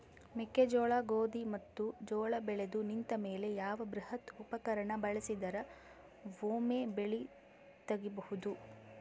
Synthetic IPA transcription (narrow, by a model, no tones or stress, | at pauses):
miked͡ʒɔːɭaɡoːd̪imɐt̪ːud͡ʒɔːɭɐbɛɭed̪unint̪ɐme̞ːle̞jaːʋɐbɾuhɐt̪upɐkɐɾɐɳɐbɐɭɐsid̪ɐɾɐ | ʋoːmeːbeɭi | t̪ɐɡibɐhud̪u